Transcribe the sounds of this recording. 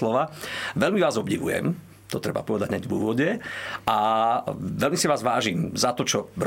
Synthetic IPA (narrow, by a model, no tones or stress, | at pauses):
lɔʋaːʋɛlmiʋaːzɔbɟiʋṵjɛ̰m | t̪ɔt̪ɾɛba̰pɔʋɛd̪aɟɲɛɟvuːʋɔɟɛʔa | ʋɛlmisiʋaːzʋaːʒiːmzat̪ɔt͡ʃɔɾ